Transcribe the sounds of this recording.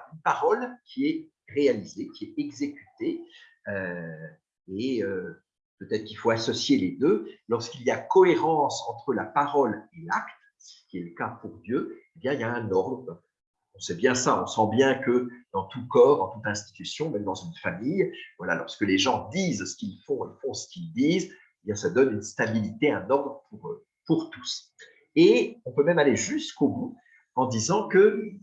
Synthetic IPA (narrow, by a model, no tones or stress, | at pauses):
ynpaʁɔlkʲʰiɛ | ʁealizekʲiɛɛɡzekʲy̥t̪e | ø | eø | pøt̪ɛt̪χəkilfoasɔsjeled̪ølɔʁskilijakɔeʁɑ̃sɑ̃t̪χəlapaʁɔlelakt̪ | sə̥kʲiɛləkapuʁd̪jøebjɛ̃iljaɛ̃nɔʁd̪ʁ | ɔ̃sɛbjɛ̃saɔ̰̃sɑ̃bjɛ̃kəd̪̥ɑ̃t̪ukɔːʁd̪ɑ̃t̪ut̪ɛ̃st̪i̥t̪ysjɔ̃mɛmd̪ɑ̃zynfamijvwala̰lɔ̰ʁskəleʒɑ̃d̪izsə̥kʲilfɔ̃fɔ̃sə̥kʲild̪iz | ebjɛ̃sad̪ɔnynst̪abilit̪eɛ̃nɔʁd̪ʁəpʰuʁ | puʁt̪u̥s | eɔ̃pømɛmaleʒyskobu | ɑ̃d̪izɑ̃kə